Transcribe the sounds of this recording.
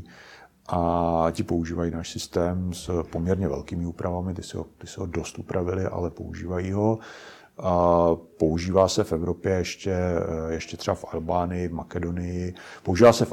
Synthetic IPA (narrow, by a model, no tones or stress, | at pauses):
ʔacɪpouʒiːvajiːnaːʃsɪst̪ɛːmspomɲɛɾɲɛvɛ̰lkiːmɪuːpɾʔavamɪt̪ɪsɪɦo̰t̪ɪsɪɦo̞do̞st̪upɾʔavɪlɪʔa̰lɛpo̞̰ṵʒiːvajiːɦo̞ | po̞uʒiːvaːsɛfɛvɾo̞pjɛjɛʃcɛjɛʃcɛt̪r̥ɛbafʔalbaːnɪjɪvmakɛdo̞nɪjɪpouʒiːvaːsɛf